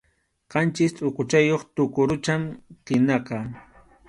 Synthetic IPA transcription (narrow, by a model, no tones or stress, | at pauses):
qɑnt͡ʃɪst̪ʼʊqʊt͡ʃajoχt̪ʊkʊɾʊt͡ʃamɢɪnɑqɑː